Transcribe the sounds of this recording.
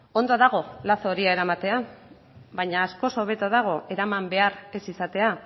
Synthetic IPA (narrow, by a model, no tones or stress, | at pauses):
o̞nd̪oðaɣ̞o̞lasoɾiaeɾamat̪e̞a | βajɲaːsko̞so̞β̞e̞t̪oð̞aɣ̞o̞e̞ɾamambe̞aɾe̞sisat̪e̞a